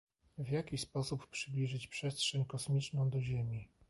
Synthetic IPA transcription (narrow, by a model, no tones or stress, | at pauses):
vʲjakʲispɔsuppʂɘblʲiʐɘt͡ɕpʂɛstʂɛɲkɔsmʲit͡ʂnɔ̃w̃d̪ɔʑemʲi